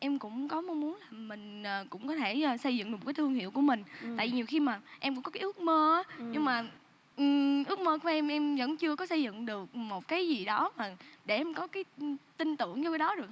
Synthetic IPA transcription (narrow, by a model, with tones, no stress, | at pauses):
ʔɛ˧mkʊ̰˧˥ŋ͡mkɔ˨˦mɔ˨˧mu˨˦ənlaː˨˩mï˨˩ŋ̟ʔəː˨˩kʊ̰˧˥ŋ͡mkɔ˨˦t̪ʰe˧˩˨sə˧jzɨ̰˧˨ŋ˧ɨ˨˩˨kːaː˨˦t̪ʰəŋhḭ˧˨əwku˧˩əmï˨˩ŋ̟t̪a̰ː˧˨ji˨˩ɲi˨˩əwxi˧maː˨˩ʔɛ˧mkʊ̰˧˥ŋ͡mkɔ˨˦kaː˨˦ʔɨ˦˥ə˥k̚məː˧aː˨˦ɲɨ˧ŋmaː˨˩ | ʔʔɨ˦˥ək̚məː˧ku˧˩əʔɛ˧mʔɛ˧mvə̰˧˥nt͡ɕɨ˧əkɔ˨˦sə˧jzɨ̰˧˨ŋɗɨ˨˩ək̚mo˨˩t̚kaː˨˦jzi˨˩ɗɔ˨˦maː˨˩ɗe˧˩ʔɛ˧mkɔ˨˦kaː˨˦jt̪i˧ŋt̪ɨ̰˧˨əŋt͡ɕkaː˨˦jɗɔ˨˦ɗɨ˨˩ək̚